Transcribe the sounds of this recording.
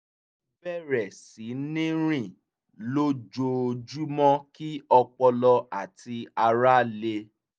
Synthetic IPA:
bɛ˦˨ɾɛ˨si˨˦nĩ˦ɾ̃ĩ˦˨ | lo˦d͡ʒo˧d͡ʒu˦mɔ̃˦ki˦ɔ˧k͡pɔ˧lɔ˧a˦˨ti˧a˧ɾa˦le˧

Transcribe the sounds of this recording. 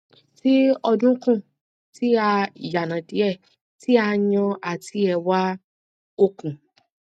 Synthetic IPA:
ti˦ɔ˧dũ˦kũ˦˨ | ti˦a˧i˨ja˨nã˨di˨˦ɛ˦˨ | ti˦a˧ɲɔ̃˧a˨tʰi˦ɛ˧wa˦ | o˦˨kũ˨

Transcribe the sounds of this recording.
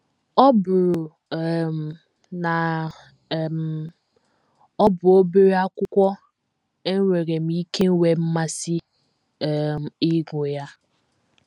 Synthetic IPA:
ɔ˦bʊ˨ɾʊ˨˦˨ | m̩˨ | na˨ | m˨ | ɔ˦bʊ˨o˦be˦ɾe˦a˦kʷʊ˦kʷɔ˦ | e˦ŋ˦ŋʷe˨ɾe˨m̩i˦ke˦ŋ̩˦we˨m̩˦ma˦si˦˨ | m̩˨ɪ˦ɡʷʊ˨ja˦

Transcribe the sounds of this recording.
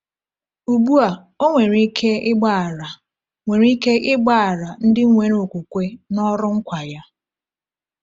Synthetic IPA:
u˨bu˦a˨ | o˦ŋʷe˨ɾi˦kʰe˦ɪ˦ɡ͡ba˦˨ɾa˨ | ŋʷe˨ɾi˦ke˦ʔɪ˦ɡ͡ba˦˨a˨ɾa˨n̩˦dɪ˦ŋ˦ŋʷe˨ɾo˨kʷu˨kʷe˦nɔ˦ɾʊ˦ŋ̩˦kʷa˨ja˦

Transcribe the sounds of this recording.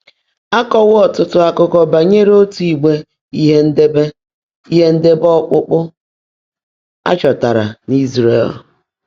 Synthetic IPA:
a˦kɔ˨wʊ˦ɔ˦˨tʊ˦tʊ˦a˨kʊ˦kɔ˨ba˨ɲe˦ɾo˦tu˨i˨ɡ͡be˦ | i˦ɦe˦n̩˦de˦be˦ | i˦ɦe˦n̩˦de˦bɔ˦k͡pʊ˦k͡pʊ˦ | a̰˦t͡ʃɔ˨ta˨ɾa̰˨ni˦zɾḛ˦˨l

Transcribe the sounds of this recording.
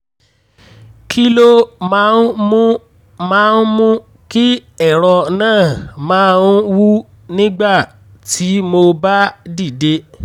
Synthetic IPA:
kʰi˦lo˦mã˨˦nmũ˦ | mãː˦n̩˦mũ˦ | ki˦ | ɛ˦˨ɾɔ˧nãː˦˨mãː˦˧n̩˦wu˦ | nĩ˦ɡ͡ba˦˨ | tʰi˨˦mo˧ba˦di˦˨de˦

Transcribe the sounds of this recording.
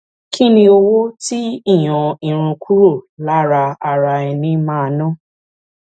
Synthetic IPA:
kʰi˦nĩ˧o˧wo˦ti˦i˦˨j̃ɔ̃˨ĩ˨ɾ̃ũ˧kʰu˦ɾo˦˨la˦˨ɾa˧a˧ɾa˧ɛ˧nĩ˧˦mãː˦˧nã˦˨

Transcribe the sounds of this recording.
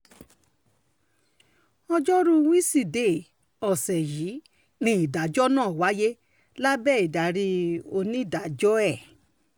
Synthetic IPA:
ɔ˧d͡ʒɔ˦ɾũ˦wĩ˦si˧˨de˦˨ | ɔ˨sɛ˨ji˨˦ | nĩ˧˦i˨da˨˦d͡ʒɔ˦nãː˦˨wa˨˦je˦ | la˦bɛː˦˨i˨da˨ɾi˧o˧nĩ˦˨da˨d͡ʒɔ˦ɛ˦˨

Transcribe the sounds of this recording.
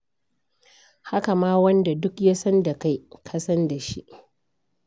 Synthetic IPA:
ha˦ka˨maː˦wɐ˦nda˨dʊ˦kja˦sɐ˦nda˨ka˦jkʰɐ˦sɐ˦nda˨ʃḭ˦ʔ

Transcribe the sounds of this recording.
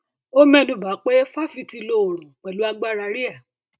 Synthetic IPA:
o˦mɛ̃˦˨nũ˨ba˨˦k͡pe˦fa˦fi˧ti˧lo˦˨ɾ̃ũ˨k͡pɛ˨lu˨˦a˦ɡ͡ba˦˨ɾa˧ɾi˦a˦˨

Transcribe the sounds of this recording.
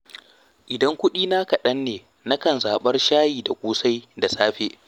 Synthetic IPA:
ʔɪ˨dɐ˦ŋkʷʊ˦ɗiː˦na˦kɐ˨ɗɐ˦nːeː˨ | na˦kɐ˨nzaː˨ɓɐ˦rʃaː˦jiː˨da˨kʷʼuː˦sa˦jda˨saː˦ɸeː˦

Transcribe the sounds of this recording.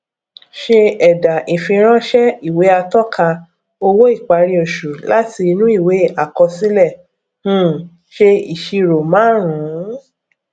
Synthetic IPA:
ʃe˧ɛ˨da˨ʔi˨fĩ˧ɾ̃ã˦ʃɛ˦i˨we˨˦a˧tɔ˦kʰa˧ | o˧wo˦i˦˨k͡pa˧ɾĩ˧o˧˨ʃu˨la˦ti˧nũ˦i˦˨we˨˦a˨kɔ˧si˨˦lɛ˦˨ | hũ˦ | ʃe˧i˨ʃi˧ɾo˨mãː˨˦ɾ̃ũ˨˦

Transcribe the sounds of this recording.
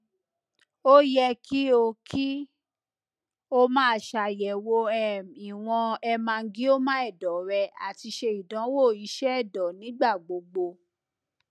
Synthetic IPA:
o˦jɛ˧ki˦o˧kʰi˦ | o˦mãː˦˨ʃa˧˨jɛ˨wo˧ɛ˨i˨w̃ɔ̃˧ɛ˧mã˧˦ɡĩ˦o˦mã˦ɛ˦˨dɔ˨˦ɾɛ˧a̰˨ti˧ʃe˧i˨dã˨˦wo˦˨i˨˦ʃɛ˦ɛ˦˨dɔ˨nĩ˨˦ɡ͡ba˦˨ɡ͡bo˧ɡ͡bo˧

